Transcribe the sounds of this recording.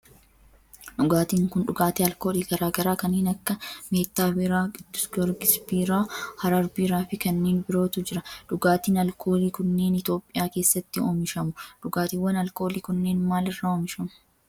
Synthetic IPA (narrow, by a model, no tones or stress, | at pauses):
ᶑʊɡaːt̪iːŋkʊnᶑʊɡaːt̪eːɐlko̞ːliːɡɐɾaːɡɐɾaːkɐnːeːnɐkːɐme̞ːt̪ːaːbɪɾaːɡɪd̪ːʊsɡɔɾɡɪsbiːɾaːhɐɾɐɾbiːɾaːfɪkɐnːeːnbɪɾo̞ːt̪ʊd͡ʒɪɾɐᶑʊɡaːt̪iːnɐlkʰo̞ːliːkʊnːe̞ːnɪt̪o̞ːpʼːɪjaːke̞ːsːɐt̪ːɪoːmɪʃɐmʊᶑʊɡaːt̪iːwːɐnɐlko̞ːliːkʊnːe̞ːnmaːlɪrːaːɔːmɪʃɐmʊ̥